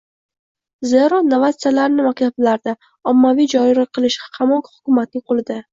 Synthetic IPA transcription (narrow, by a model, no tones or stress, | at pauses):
zeɾɒnavat̪sɨjalaɾnɪmak̚ʲt̪ʰablaɾd̪a | ɒmːavijd͡ʒɒɪɾaqʰɨlˠɪʃqʰɑmɒqhʊ̥kʲʊmat̪̚nɪqʰolˠɪd̪ɪ